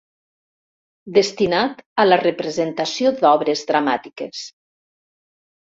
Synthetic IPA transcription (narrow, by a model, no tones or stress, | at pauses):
d̪est̪inat̪ələrəpɾəzent̪asiod̪ɔβɾezðɾamat̪ikes